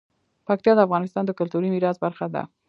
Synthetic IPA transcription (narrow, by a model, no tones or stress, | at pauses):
pak̚t̪jɑd̪əafɣɑnɪst̪ɑnd̪əkʊlt̪uɾimiɾɑzbaɾxad̪a̰